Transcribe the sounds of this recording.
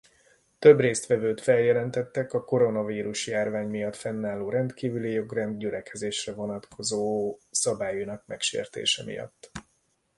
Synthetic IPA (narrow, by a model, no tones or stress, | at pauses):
t̪ø̞breːst̪ʋɛvøːt̪fɛljɛlɛnt̪ɛt̪ːɛkɒko̞ɾo̞nɒviːɾuʃjaːrvaːɲmijɒt̪fɛnːaːlːoːɾɛnt̪kiːvylijo̞ɡrɛnd̪̚ɟylɛkɛzeːʃrɛvo̞nɒt̪kʰo̞zoːsɒbaːjunɒkmɛkʃḛːrt̪ḛːʃɛmḭjɒ̰t̪ː